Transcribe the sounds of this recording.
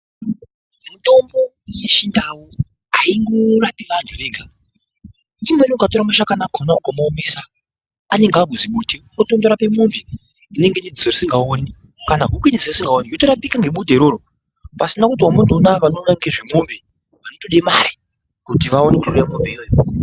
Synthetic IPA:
untombo̞ | je̞ʃindawu | aiŋɡorapiʋanʰuʋeːɡʱa | timenokatoɾamaʃakanaɡʱonaukomaomesaː | ne̞ŋɡaɡʱuziɓuːdʱe | otondoɾape̞mumbe | ine̞ŋɡenid͡zit͡sorisiŋɡaoni | kanaɦukiniseisiŋɡaonijotoɾapikaŋɡe̞ɓudʱeɾoːɾo | pasinakut̬iwamuntonakaanonaŋɡeʐemumbe | ʋanotoɗemaɾi | kutiʋaonekuʃurijamumbeijoːjo

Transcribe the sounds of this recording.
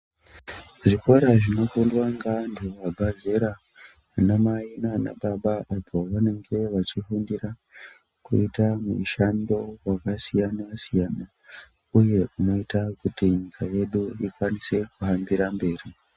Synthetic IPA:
ʐiko̞ɾaʐino̞kundwaŋɡaantʰuʋabʱaze̞ɾa | anamainana̰ɓaɓaapʰo̞ʋane̞ŋɡe̞ʋat͡ʃifundira | kuitamuʃando̞wakasijanasijana | uje̞ʔuno̞itakutiɲikʰaje̞ɗuikwanise̞kuɦambiɾambe̞ːri

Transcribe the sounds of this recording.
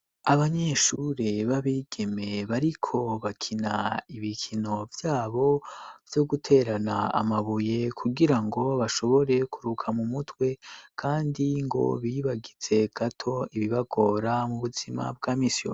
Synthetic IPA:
aβaɲe̞ʃuɾeβaβiːɡ̥e̞me̞βaɾikʰo̞βakʰinaiβikʰino̞vjaːβo̞v̥jo̞ɡutʰe̞ɾanaa̰maβuje̞kʰuɡiɾaŋɡo̞βaʃo̞βo̞ɾe̞kuɾukʰamumutʰwe̞kʰaːndiŋɡo̞̰βiβaɡiz̥e̞ɡ̥atʰo̞iβiβaɡ̥o̞ɾamuβuzima̰b̚ɡaːmisjo̰

